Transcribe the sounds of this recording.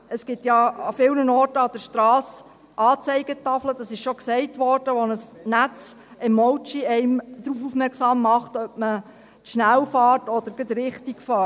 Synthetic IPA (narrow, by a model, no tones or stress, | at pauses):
əsɡ̥ɪtjɑɑfɪlnənɔːrtəɑd̥ɛɾʃtɾɑːs | ʔɑːt͡sɛɪɡ̥ətɑflədɑsɪʃʃɔksɛɪtʋɔrd̥əʋɔnəsnæt͡s | ɪmːɔwt͡ʃiɛɪmd̥̪ɾuːfufmɛɾksɑːmːɑχtœp̚mə | tʃnælfɑːrtɔd̥̪əɾɡ̥əd̪ɾɪχtiɡfɑː